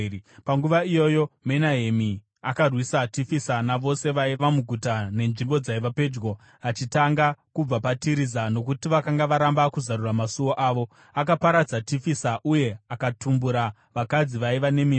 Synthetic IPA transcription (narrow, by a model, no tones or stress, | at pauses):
paŋɡuʋaijo̞jo̞me̞naɦemi | akarwisatifisanaʋo̞se̞ʋaiʋamuɡʱutane̞nʐimbo̞d͡zaiʋape̞ːd͡ʒɡo̞ | at͡ʃitaŋɡakub͡vapatiɾizano̞kutiʋakaŋɡaʋaɾambakuzaɾuramasuwo̞ʔaːʋo̞ | akapaɾad͡zatifisaʔuje̞akatumbuɾa | ʋakad͡ziʋaiʋane̞mi